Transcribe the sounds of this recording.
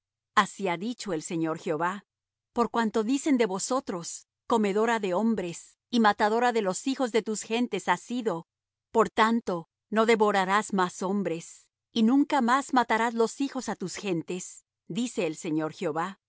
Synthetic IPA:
asiaðit͡ʃo̞e̞lse̞ɲo̞ɾxjo̞βa | po̞ɾkwant̪o̞ðise̞nd̪e̞βo̞so̞t̪ɾo̞s | ko̞me̞ðo̞ɾaðe̞o̞mbɾe̞s | imat̪aðo̞ɾaðe̞lo̞sixo̞zðe̞t̪usxe̞nt̪e̞sasiðo̞ | po̞ɾt̪ant̪o̞ | no̞ðe̞βo̞ɾaɾazmaso̞mbɾe̞s | inũŋkamazmat̪aɾazlo̞sixo̞sat̪usxe̞nt̪e̞s | d̪ise̞ːlse̞ɲo̞ɾxjo̞βa

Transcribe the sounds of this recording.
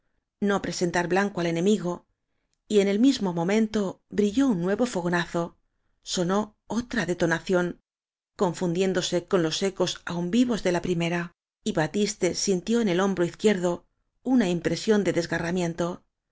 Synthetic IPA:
no̞pɾe̞se̞nt̪aɾβlaŋkoale̞nẽ̞miɣo̞ | ie̞ne̞lmizmo̞mõ̞mẽ̞nt̪o̞ | bɾiʝo̞unːwe̞βo̞fo̞ɣo̞naθo̞ | so̞no̞ | ot̪ɾaðe̞t̪o̞naθjo̞ŋ | ko̞ɱfund̪je̞nd̪o̞se̞ko̞nlo̞se̞ko̞saumbiβo̞zðe̞lapɾime̞ɾa | iβat̪ist̪e̞sint̪jo̞enelo̞mbɾoiθkje̞ɾðo̞ | unaimpɾe̞sjo̞nd̪e̞ðe̞zɣaramjẽ̞nt̪o̞

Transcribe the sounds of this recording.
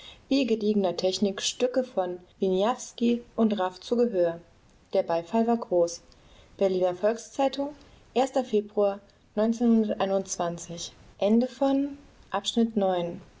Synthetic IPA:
viːɡədiːɡənɐtʰɛçnɪkʃtʏkəfɔnvinjafskiʔʊntʁaft͡suːɡəɦøːɐ | d̥eːɐbaɪfalvaːɐɡʁoːs | b̥ɛɐliːnɐfɔlkst͡saɪtʊŋ | ʔeːɐstɐfeːbʁuaɐ | nɔʏnt͡seːnhʊndɐtʔa̰ɪnʊnt͡sv̥ant͡sɪçʔɛndəfɔn | ʔapʃnɪtnɔʏn

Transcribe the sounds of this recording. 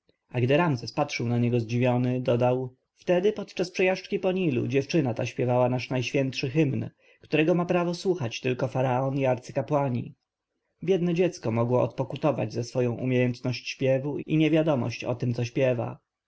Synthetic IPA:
ʔaɡd̪ɘɾamzɛspatʂɘwnaɲɛɡɔzd͡ʑivʲjɔnɘd̪ɔd̪aw | ft̪ɛd̪ɘpɔt̪t͡ʂaspʂɛjaʂt͡ʂkʲipɔɲilṵd͡ʑɛft͡ʂɘnat̪aɕpʲjɛvawanaʂnajɕfʲjɛnt̪ʂɘxɘmn | kt̪uɾɛɡɔmapɾavɔswuxat͡ɕt̪ɘlkɔfaɾaɔniaɾt̪sɘ̥kapwaɲḭ | bʲjɛd̪nɛd͡ʑɛt̪skɔmɔɡwɔʔɔ̰t̪̚pɔkut̪ɔva̰d͡ʑzɛsfɔjɔ̃w̃ʔṵmʲejɛnt̪nɔɕt͡ɕɕpʲjɛvuiɲɛvʲjad̪ɔmɔ̰ɕt͡ɕɔ̰t̪ɘmt̪sɔɕpʲjɛva̰

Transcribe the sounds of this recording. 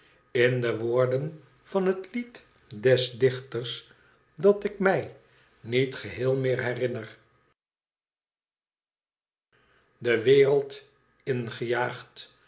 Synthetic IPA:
ɪndəʋʊːɹdən | v̥ɑnɦətlit | dɛsdɪχtərs | dɑtɪkmɛj | nitχəɦɪːlˠmɪːɹɦɛrɪnər | dəʋɪːrəlˠt | ɪnχəjaːχt

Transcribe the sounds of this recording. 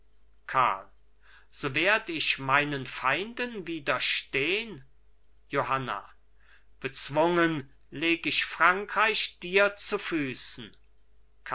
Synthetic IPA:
kʰa̰ɐl | z̥oːveːɐdəɪçmaɪnənfaɪndənviːdɐʃteːən | johana̰ | b̥ət͡sv̥ʊŋən | leːɡɪʃfʁ̥aŋkʁ̥aɪɕd̥iːɐt͡sufyːsn̩ | k

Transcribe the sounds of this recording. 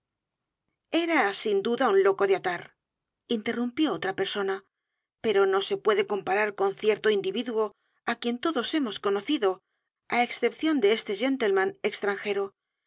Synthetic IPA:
e̞ɾasind̪uðaunlo̞ko̞ðeat̪aɾ | int̪e̞rumpjo̞ot̪ɾape̞ɾso̞na | pe̞ɾo̞no̞se̞pwe̞ðe̞ko̞mpaɾaɾko̞nθje̞ɾt̪o̞ind̪iβiðwo̞ | akje̞nt̪o̞ðo̞se̞mo̞sko̞no̞θiðo̞ | aeksθe̞pθjo̞nd̪eest̪e̞ʝe̞nt̪e̞lmãnekst̪ɾaŋxe̞ɾo

